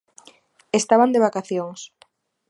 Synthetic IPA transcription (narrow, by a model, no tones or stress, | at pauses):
est̪aβand̪eβ̞akaθjoŋs